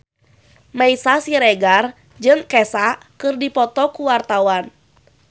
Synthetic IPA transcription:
maisasiɾɛɡar | d͡ʒɨŋkɛsaʔ | kɨrdipɔt̪ɔkuwart̪awan

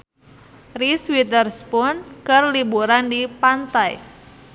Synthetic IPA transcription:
riswit̪ərspʊnkərlibuɾandipant̪aj

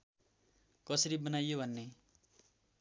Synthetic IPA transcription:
kʌsʌɾibʌnajobʱʌnːe

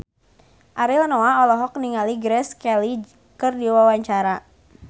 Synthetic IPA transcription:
ʔaɾilnoaɔlɔɦɔk̚niŋaliɡɾɛskɛli | kərdiwawaɲt͡ʃaɾa

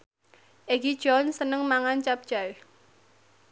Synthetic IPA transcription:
ʔeɡid̥ʒ̥ɔnsənəŋmaŋant͡ʃap̚d̥ʒ̥aɪh

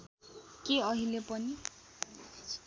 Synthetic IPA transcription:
keʌɦilepʌni

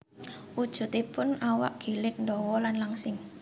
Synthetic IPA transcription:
ʔud̥ʒ̥ṳt̪ipʊnawa̰ʔɡ̥elɪk̚ndɔwɔlanlaŋsɪŋ

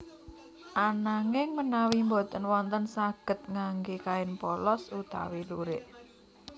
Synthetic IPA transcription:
ʔanaŋɪŋmənawimbot̪ənwɔnt̪ənsaɡ̥ə̤t̪̚ŋaŋɡekaɪnpɔlɔsut̪a̰wiluɾɪʔ

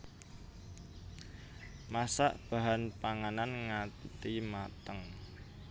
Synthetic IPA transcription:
masa̰ʔb̥a̤ɦanpaŋananŋat̪t̪imat̪əŋ

